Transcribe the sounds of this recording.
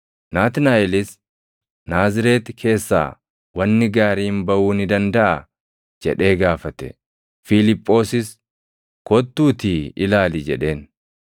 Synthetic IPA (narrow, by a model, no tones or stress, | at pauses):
naːt̪ɪnaːjɪlɪs | naːzɪɾe̞ːt̪kʰe̞ːsːa̰ː | wɐnːɪɡaːɾiːmbɐʔuːnɪd̪ɐnd̪ɐʔɐ | d͡ʒɛᶑe̞ːɡaːfɐt̪ɛ̥̰ | fɪlɪpʼːo̞ːsɪs | kɔt̪ːuːt̪iːɪlaːlid͡ʒɛᶑe̞ːn